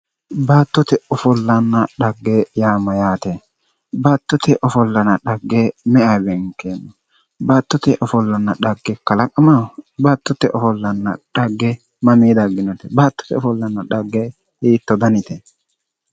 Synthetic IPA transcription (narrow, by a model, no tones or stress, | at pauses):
baːt̪ːɔt̪ɛɔfɔlːɐnːɐɗɐɡːejaːmɐjaːt̪ɛ | baːt̪ːɔt̪ɛʔɔfɔlːɐnɐɗɐɡːemɛabɛŋkːenːɔ | baːt̪ːɔt̪ɛʔɔfɔlːɐnːɐɗɐɡːɛkɐlɐkʼɐmabaːt̪ːɔt̪ːɛʔɔfɔlːɐnːɐ̰ɗɐɡːɛ | mɐmiːd̪ɐɡːɪnɔt̪ɛbaːt̪ːɔ̥t̪ɛɔfɔlːɐnːɐᶑɐɡːe | hiːt̪ːɔd̪ɐnɪt̪ɛ